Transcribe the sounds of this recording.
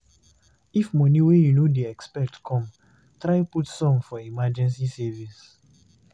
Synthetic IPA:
ifmɔ̃niwejunodeɛkspɛtkʰɔ̃m | tɾaɪputsɔ̃mfɔimad͡ʒɛ̃nsisɛvis

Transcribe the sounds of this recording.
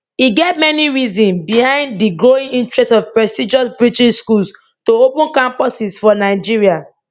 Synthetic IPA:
iɡevmɛniɹizɔ̃nbihãɪ̃nddiɡɹoĩŋĩntɹɛstsɔvpɹɛstid͡ʒɔsbɹitiʃskuls | toopũnkãmpɔsisfɔnaɪd͡ʒiɹia

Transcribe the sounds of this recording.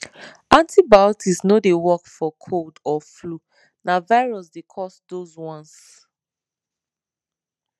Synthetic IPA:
ãntʰibatʰisnodewɔkfɔkʰoldɔflu | navaɪɹɔsdekʰɔsdozwɔ̃ns

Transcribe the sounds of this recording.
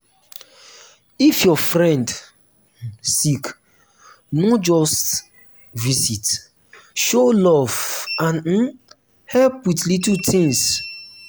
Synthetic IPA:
ifjɔfɾɛ̃nd | sik | nɔd͡ʒɔst | visit | ʃolɔvãn̩ | hɛlpwitlitutʰĩŋs

